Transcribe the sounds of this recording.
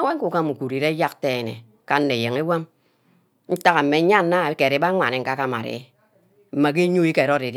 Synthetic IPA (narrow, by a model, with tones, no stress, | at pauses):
a˦we˦ŋ˦ku˨ka˦˨mu˨kʷu˨ɾi˨ɾe˦ja˦k̚te˦˨nḛ˨ | ka˦n̩ː˦e˨je˨ŋe˦wa˦m | n̩˦ta˦ka˨m̩˨me˨˦ɲa˦n˦na˦˨˦ke˨ɾe˨˦ba˦ŋʷa˨ne˨ŋ̩˨ka˦ka˦ma̰˨ɾḛ˨˦ | m̩˦ma˨k̬i˦ɲo˦i˦ke˨ɾo˦ɾe˨d